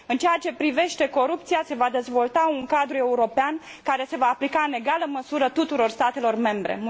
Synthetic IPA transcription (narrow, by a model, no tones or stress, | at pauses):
ɨnt͡ʃeat͡ʃe̞pɾive̞ʃt̪e̞ko̞ɾup̚t̪sijase̞vad̪e̞zvo̞lt̪auŋkad̪ɾue̞uɾo̞peankaɾe̞se̞vaːplikaɨne̞ɡaləməsuɾət̪ut̪uɾo̞rst̪at̪e̞lo̞rme̞mbɾe̞̰m